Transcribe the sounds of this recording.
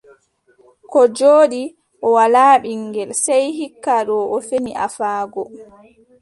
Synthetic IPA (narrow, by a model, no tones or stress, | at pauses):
kɔd͡ʒoːɗi | ʔɔwalaːɓiŋɡɛlsɛjhikːaɗɔʔɔfeniʔa̰faːɡɔ